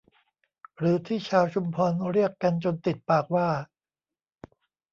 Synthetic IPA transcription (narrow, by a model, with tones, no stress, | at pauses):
ɾɯː˩˦t̪ʰiː˥˩t͡ɕʰaː˧wt͡ɕʰu˧mpʰɔː˧nɾi˥˩əkːa˧nt͡ɕo˧nt̪i˨˩t̪̚paː˨˩k̚waː˥˩